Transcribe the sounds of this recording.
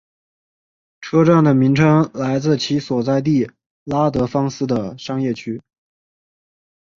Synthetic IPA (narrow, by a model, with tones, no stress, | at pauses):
ʈ͡ʂʰɤ˥ʈ͡ʂa˥˩nd̪ə˩mi˧˥ŋʈ͡ʂʰɤ˥ŋla˧˥ɪt͡sɹ̩˥˩t͡ɕʰi˧˥swɔ˨˩t͡sa˥˧ɪt̪̬i˥˩ | la˥t̪ɤ˧˥fɑ˥ŋsɹ̩˥˩d̪ə˨˩ʂɑ˥ŋjɛ˥˩t͡ɕʰy˥